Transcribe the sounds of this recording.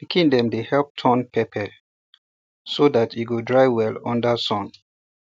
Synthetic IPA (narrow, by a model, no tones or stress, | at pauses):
dəkʰĩŋdɛ̃mdehɛlp̚tʰɔ̃npʰɛpʰɛ | soðatiɡodɹaɪwɛlɔ̰̃ndəsɔ̃n